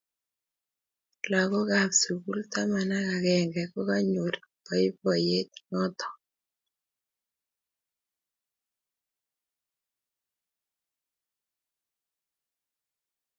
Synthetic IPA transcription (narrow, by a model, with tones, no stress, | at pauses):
la˨kɔ˦ɡa˨psu˨ɡu˦lt̪a˦ma˨na˦ka˨ɣɛ˨ŋɡɛ˨kɔ˦ka˦ɲo˨ɾpɔ˨ɪ˦pɔ˨je˦t̪̚ŋɔ˦t̪ɔ̥˨